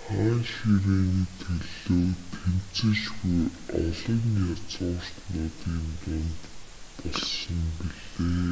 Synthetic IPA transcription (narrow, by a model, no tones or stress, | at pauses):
χæːŋʃiɾeːnt̪ʰeɮoːt̪ʰem̥t͡sɘ̆ʃxujɔɮɞ̆ŋjat͡sʊːr̥t̪nʊːt̪iːnt̪ʊnt̪ | pɔɮsɞ̆mpiɮeː